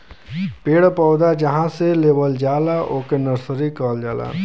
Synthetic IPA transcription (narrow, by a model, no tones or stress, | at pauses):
peːɽpɔːd̪ad͡ʒəɦãseleːbəld͡ʒaːlaʔoːkenəɾsəɾikɔːld͡ʒaːla̰ː